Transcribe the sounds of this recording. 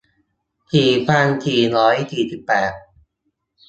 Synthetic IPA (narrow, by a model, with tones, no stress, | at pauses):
t̪ʰiː˨˩pʰaː˧ŋt̪ʰiː˨˩nɔː˦˥jt̪ʰiː˨˩si˨˩pːɛː˨˩t̪̚